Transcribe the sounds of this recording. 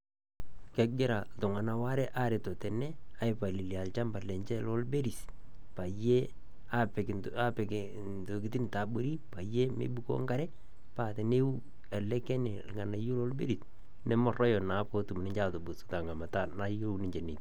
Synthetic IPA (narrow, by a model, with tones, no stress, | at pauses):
kɛ˦ɡɪ˦ɾa˨ltʊ˨ŋa˨na˨wa˦ɾɛ˦ʔa˦ɾe˨to˨tɛ˨nɛ˦a˨ɪ˨pa˨li˨lja˨lt͡ʃa˦mba˨lɛ˨ɲt͡ʃɛ˦lɔ˦lbe˦ɾi˨s | pa˨je˦ | a˦pɛ˨k | a˦pɛ˨k | nto˨ki˦ti˦n˨ta˨bo˦ɾi˦pa˨je˦mḛ˨˦bu˦ko̰˦ŋɡa˦ɾɛ˦ | pa˨te˨ne˦u˦ | ɛ˨lɛ˦kɛ˦ne˨lŋa˨na˨jo˦lɔ˦lbḛ˦ɾi˨s | nɛ˦mɔ˦rɔ˦jɔ˨na˨˦po˦tu˨mnɪ˦ɲt͡ʃa˦to˨bu˨sta˨ŋɡa˨ma˨ta˦na˦jo˦unɪ˦ɲd͡ʒe˨ni˨t